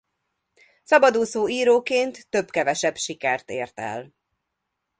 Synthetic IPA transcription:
sɒbɒd̪uːsoːiːɾoːkeːnt̪ːøbkɛvɛʃɛbʃikɛrt̪ḛːrt̪ɛ̰l

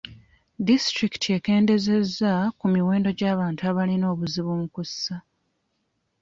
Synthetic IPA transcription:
distɾiki̥tʰie̞ke̞ːnde̞ze̞zːakumiwe̞ːndo̞ɟaːβaːntuaβalino̞ːβuziβumukusːa

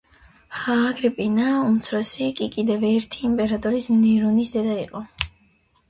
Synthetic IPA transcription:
haːɡɾɛpʼinaumt̪sʰɾɔsikʼikʼid̪ɛvɛɾt̪ʰiːmpʼɛɾat̪ʼɔɾismniɾunisd̪ɛd̪aḭqʼɔ

